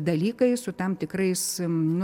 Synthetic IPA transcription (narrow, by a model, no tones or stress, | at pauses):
d̪ɐlʲiːkɐɪsʊt̪ɐmt̪ʲɪkrɐɪsnʊ